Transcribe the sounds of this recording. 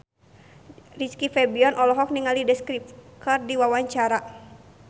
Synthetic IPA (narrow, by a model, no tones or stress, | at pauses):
rit͡ʃkifɛbiɔnʔɔlɔɦɔk̚niŋalidɛskɾip̚kɨrdiwawaɲt͡ʃaɾa